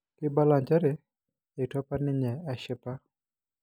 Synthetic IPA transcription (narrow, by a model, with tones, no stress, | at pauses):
kɪ˦ba˦la˨ɲd͡ʒa˦ɾɛ˨ | e˨tɔ˦pa˦nɪ˦ɲɛ˨a˨ʃɪ˦pa˦